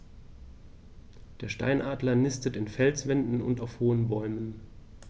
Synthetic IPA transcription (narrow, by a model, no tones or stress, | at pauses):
d̥eːɐʃta̰ɪnʔaːdlɐnɪstətɪnfɛlt͡sv̥ɛndn̩ʊ̰ntaʊfhoːənbɔʏmən